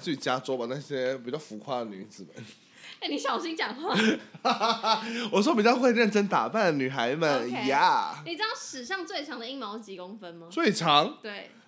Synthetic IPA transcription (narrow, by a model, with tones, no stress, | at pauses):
t͡s̩˥y˥˩t͡ɕi˨˩t͡ɕja˦˥t͡sɔ˥ba˨na˥˩ɕjɛ˥pi˨˩t͡ɕjɑ˥˩ʊfu˧˥kʰwa˥˩ə˩ny˧˥d͡zɹ̩˨˩mə̰˦n | e˥˩ni˨˧˥ɕjɑ˨˩ʊɕi˥ŋt͡ɕjɑ˨˩ŋxwa˥˩ | wɔ˨˩ʂ̬wɔ˥p̬i˨˩t͡ɕjɑ˥˧ʊxwe˥˧ɪɻə˥˩nʈ͡ʂə˥nt̪a̰˨˩pa˥˩nny˨˩xa˧˦˥ɪmə˨n˧ja˥˩ni˨˩ʈ͡ʂɻ̩˥d̪ɑ˥˧˩ʂɻ̩˨˩ʂɑ˥˧ŋt͡swe˥˩ɪʈ͡ʂʰɑ˧˥ŋd̪ə˨˧i˥ŋmɑ˧˥ʊt͡ɕi˧˥ko˥ŋfə˦nmɐ˧˦t͡swe˥˩ɪʈ͡ʂʰɑ˨˧˦ŋt̪we˥˩ɪ